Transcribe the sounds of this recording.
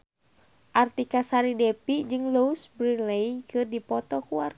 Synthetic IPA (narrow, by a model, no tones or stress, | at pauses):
ʔart̪ikasaɾidɛpid͡ʒɨŋlousbɾileikɨrdipɔt̪ɔkuart̪̚